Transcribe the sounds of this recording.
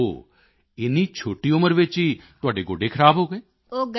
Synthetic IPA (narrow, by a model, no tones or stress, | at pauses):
o̰ː | ɪniːt͡ʃʰoːʈiːʊməɾʋɪt͡ʃɦiːt̪ʊaːɖeːɡoːɖekʰəɾaːbɦoːɡeː | oːɡ